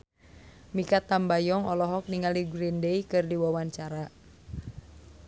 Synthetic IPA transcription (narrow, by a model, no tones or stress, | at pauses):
mikat̪ambajɔŋɔlɔɦɔk̚niŋaldiɡɾindeikɨrdiwawaɲt͡ʃaɾa